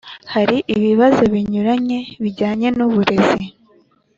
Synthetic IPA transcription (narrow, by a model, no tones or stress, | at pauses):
haɾiʔiβiβazo̞βiɲuɾaɲe̞βiɟaːɲe̞nuβuɾe̞zi